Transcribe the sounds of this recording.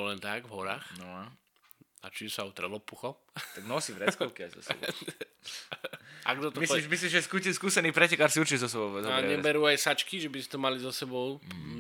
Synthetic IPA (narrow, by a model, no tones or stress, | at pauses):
ɔlɛnt̪aɡvɦɔɾa̰ːxnɔa | at͡ʃiɛsaʊt̪ɾɛlɔpuxɔ | t̪aɡnɔsivɾɛt͡skɔlkia̰jzzɔ̰sb̰ | a̰ɡd̪ɔt̪ɔmisɔiʃmislimʒɛskuskuːsɛniːpɾɛcɛkaɾsiuɾt͡ʃizɔs̬ɛbɔʊɛzaɛɲɛbɛɾuːajsat͡ʃkiʒɛbist̪ɛmalizɔsɛbɔʊ